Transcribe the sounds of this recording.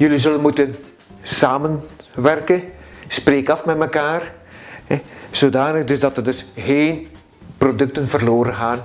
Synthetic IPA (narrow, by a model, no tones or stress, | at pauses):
jɵlizɵlənmutən | saːmənʋɛrkəspreːkɑfmɛtməkaːrɛz̥oːdaːnəɣdɵzdɑtərdɵsɣeːn | prodɵk̚tənvərloːɾənɣaːn